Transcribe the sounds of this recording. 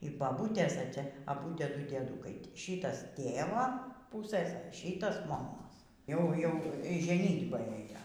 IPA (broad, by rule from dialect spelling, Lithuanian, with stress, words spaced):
iː bɐˈbuːtʲeːs ɛ ˈt͡sʲɛ ɐˈbʊ ˈtʲiɛˈdʊ dʲiɛˈduːkɐɪ ˈʃʲiːtɐs ˈtʲeːʋoː ˈpʊsɘs ˈʃʲiːtɐs moːˈmoːs ˈjɛʊ ˈjɛʊ iː ʒʲɛˈnʲiːdbɑː ˈeːjoː